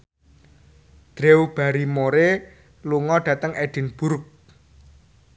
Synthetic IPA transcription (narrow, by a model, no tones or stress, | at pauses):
d̪̥ɾewb̥a̤ɾimoɾe | luŋɔɖ̥ä̤t̪əŋʔed̪̥ɪ̤nb̥uɾk̚